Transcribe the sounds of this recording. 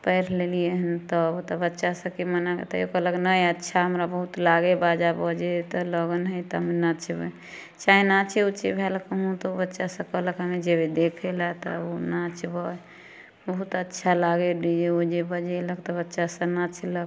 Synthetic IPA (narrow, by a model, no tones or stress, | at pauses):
pəjɾlelieɦənt̪ɔbt̪ɔbətːʃasə̃kemənaɡḛt̪ɔ̰jokələknəjətːʃʰaɦəmɾabəɦut̪laɡebad͡ʒabɔd͡ʒet̪ɔləɡənɦəjt̪ɔɦmenat͡ʃʰbə | t͡ʃaɦinat͡ʃʰeut͡ʃebʱelkəɦũt̪ɔbətːʃasə̃kəɦləkɦəmed͡ʒebed̪ekʰelat̪ɔ̰onat͡ʃbɔ | bəɦut̪ətːʃʰalaɡeɖid͡ʒeod͡ʒebəd͡ʒeləkt̪ɔbətːʃasə̃nat͡ʃʰləɡ